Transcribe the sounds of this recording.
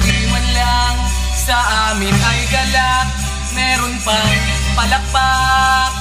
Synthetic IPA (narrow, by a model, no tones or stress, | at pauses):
lɪwɐnlaŋ | sɐʔaːmɪnʔɐjɡɐla | mɛɾʊnpaŋ | pɐlɐk̚ba